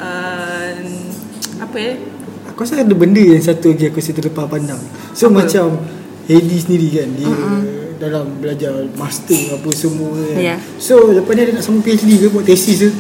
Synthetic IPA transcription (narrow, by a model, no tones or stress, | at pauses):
ʔə | apəakasakadəbəndəjaŋsat̪uaɡiakosit̪̬ələpapandaŋ | somãt͡ʃam | hedis̬əndiɾikandiədalambəlad͡ʒarmast̪əapəsəmua | soləpaniadanaʔsamupeslikəbuaʔt̪ɛsis̬ə